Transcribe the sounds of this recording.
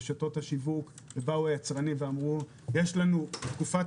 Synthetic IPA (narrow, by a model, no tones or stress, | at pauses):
ʃato̞thaʃivuk | bebauajat͡sʁanimveamʁu | jeʃlanut̪kufa